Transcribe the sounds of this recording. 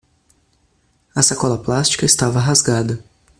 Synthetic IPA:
ɐsakɔlɐplast͡ʃi̥kɐɪst̪avɐɦazɡad̪ɐ

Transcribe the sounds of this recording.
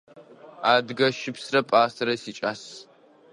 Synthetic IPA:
aːdɡɐʃɪpsrɐpʼaːsɐɾɐsiːt͡ʃʼaːs

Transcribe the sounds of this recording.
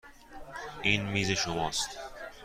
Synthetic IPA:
iːnmiːzeʃomɒːst̪

